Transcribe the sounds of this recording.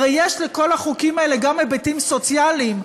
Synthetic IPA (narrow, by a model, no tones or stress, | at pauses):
ejjeʃleko̞laχukimaeleɡamebetimsot͡sjalim